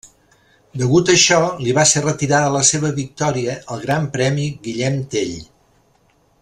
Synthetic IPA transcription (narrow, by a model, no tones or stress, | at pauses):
d̪əɣut̪əʃɔliβaserət̪iɾaðələseβ̞əβik̚t̪ɔɾiəəlˠɣɾampɾɛmiɣiʎɛmt̪eʎ